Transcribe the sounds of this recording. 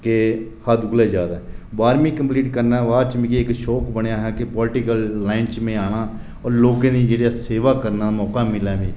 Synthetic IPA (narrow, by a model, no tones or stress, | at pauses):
kehaːd̪ʊkleːd͡ʒaːd̪aːbaːɾmĩːkəmpliːʈkəɾnaːʋaːt͡ʃmĩːkiːɪkʃɔːkbəɳjaːɦɛːkɪpɔːlʈiːkəlːaːɪnt͡ʃmẽːaːɽ̃aː | ɔːɾloːkãːd̪iːd͡ʒeːɽjaːseːʋaːkəɾnaːmɔːkaːmɪlaːʋĩː